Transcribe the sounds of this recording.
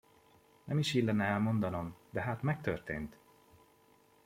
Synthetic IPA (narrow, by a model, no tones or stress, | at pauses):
nɛmiʃiːd̪lːɛnːɛɛlmo̞nd̪ɒno̞md̪ɛɦaːt̪mɛk̚t̪ø̰rt̪ḛːnt̪